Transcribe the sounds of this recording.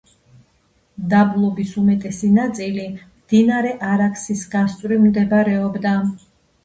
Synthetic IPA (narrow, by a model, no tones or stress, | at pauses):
d̪ablˠɔbisumɛt̪ʼɛsinat̪sʼilimd̪̥inaɾɛʔaɾakʰsisɡast̪sʼɾimd̪ɛbaɾɛɔbd̪a